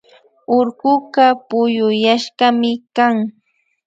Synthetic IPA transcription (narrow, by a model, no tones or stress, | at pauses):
oɾɢʊɢɑpʊjʊjaʃɢɑmɪkaŋ